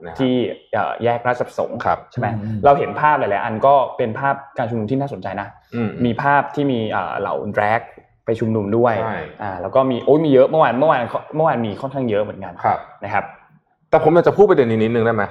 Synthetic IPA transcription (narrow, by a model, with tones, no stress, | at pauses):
t̪ʰiː˥˩ʔa̰ː˨˩jɛː˥˩k̚ɾaː˦˥˩t̪̚a˨˩p̚so̰˨˩˦ŋkʰa˦p̚t͡ɕʰa˥˩ma˦jɾa˧wɦe˩˦npʰaː˥˩p̚la˨˩lɛː˦˥ʔa˧nkɔː˥˩pe˧npʰaː˥˩p̚kaː˧nt͡ɕʰu˧mnu˧mt̪ʰiː˥˩naː˥˩so˩˦nt͡ɕa˧jna˦˥ʔ | miː˧pʰaː˥˩p̚t̪ʰiː˥˩miː˧ʔə̰ː˨˩la̰˨˩˦wdɾɛː˦˥k̚ | pa˧jt͡ɕʰu˧mnu˧mdu˥˩əjʔaː˨˩lɛː˦˥wkɔː˥˩miː˧ʔoː˦˥jmiː˧jɤ˦˥ʔmɯ˥˩waː˧nmɯ˥˩əwaː˧nkʰɔ˦˥mɯ˥˩waː˧nmiː˧kʰɔ˥˩nkʰaː˥˩ŋjɤ˦˥ʔmɯ˩˦ə˦nka˧nʰ˦na˦˥kʰa˦˥p̚ | t̪ɛː˨˩pʰo˩˦mjaː˨˩t͡ɕa˨˩pʰuː˥˩t̚pa˧dni˦˩nːi˦˥t̪nɯ˨˧ŋda˥˩ma˦˥j